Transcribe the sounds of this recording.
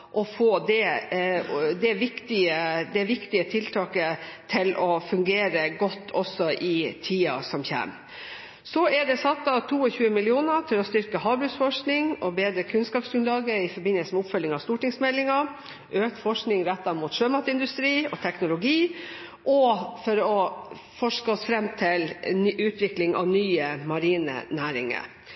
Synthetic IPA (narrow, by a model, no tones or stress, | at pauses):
ʔɔfoːd̪ɛ | d̪ɛʋɪkt̪ɪəd̪ɛʋɪkt̪ɪət̪ʰɪlt̪ʰɑːkət̪ʰɪlʔɔfʉŋɡeːɾəɡɔt̪ːɔsɔʔɪt̪ʰiːɑ̰sɔmçæ̰ːm | sɔɛɖɛsɑt̪ːɑt̪ʰuːɔçʉːəmɪlɪuːnəʈʰɪlɔst̪ʏɾkəɦɑːbɾʉsfɔʂknɪŋɔbeːd̪ɾəkʰʉnskɑːpsɡʉnlɑːɡəɪfɔɾbɪnəlsəmɛʊpfœlːɪŋɑʋst̪uːʈɪŋsmɛlːɪŋɑ | ʔøːk̚t̪fɔʂknɪŋɾɛt̪ːɑmuːt̪ʂøːmɑt̪ɪnd̪ʉst̪ɾiːɔt̪ʰɛknʊlʊɡiː | ʔɔfɔɾɔ | fɔʂkəɔsfɾɛmːt̪ʰɪlʉːt̪ʰʋɪklɪŋʔɑ̰ʋnyːəmɑɾiːnə̰næːɾɪ̰ŋə̰ɾ